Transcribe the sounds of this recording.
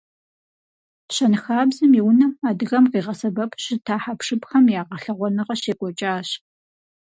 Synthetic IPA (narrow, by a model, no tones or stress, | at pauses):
ɕɐnxaːbzɨmiwnɐaːdɨɣɐmqiːʁɐsɐbɐpʰɕɪtʰaːħapʂɨpxɐmjaːʁɐɬɐʁʷɔnɨʁɐɕeːkʷʼɔt͡ʃʼaːɕ